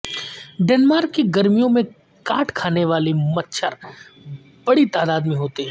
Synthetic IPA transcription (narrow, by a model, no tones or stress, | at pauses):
ɖɛːnmaːɾkːiɡɐɾmijõmẽ | kaːʈʰkʰaːneʋaːlimɐt̪ːʃʰəɾ | bɐɽit̪aːd̪aːd̪mẽɦoːt̪eɦɛ̃